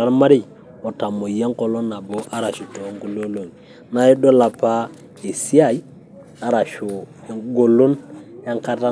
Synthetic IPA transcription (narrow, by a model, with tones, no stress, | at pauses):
a˦lma˦ɾi˦j | ɔ˨ta˨mo˨je˦ŋ˦ko˨lo˦na˨bo˦ʔa˦ɾa˨ʃu˨to˨˦ŋɡu˦lo˦lo˨ŋ | na˨˦e˦do˦la˨pa˦ | e˨si˦a˦˨j | a˨˦ɾa˨ʃu˨˦ɡo˨lu˦nja˦ŋka˦ta˦